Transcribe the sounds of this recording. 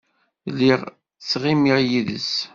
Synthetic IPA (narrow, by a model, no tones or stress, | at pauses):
lːiʁ | t͡sːʁimiʁjiðə̰s